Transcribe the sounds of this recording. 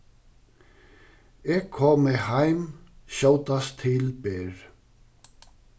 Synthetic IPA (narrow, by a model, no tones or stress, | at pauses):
ɛɣkʰɔːmɪhajmɕoːwt̪ast̪ʰɪlpɛːɹ